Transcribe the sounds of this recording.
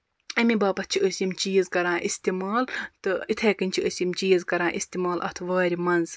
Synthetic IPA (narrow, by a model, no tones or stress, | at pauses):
ɐmibaːpɐt̪̚t͡ʃʰiəsʲjimt͡ʃiːzkɐɾãːʔist̪imaːlt̪ɨit̪ʰeːkɨnʲt͡ʃʰiəsimt͡ʃiːzkɐɾãːʔist̪imaːlʔɐ̰t̪ʰʋaːɾʲimɐnz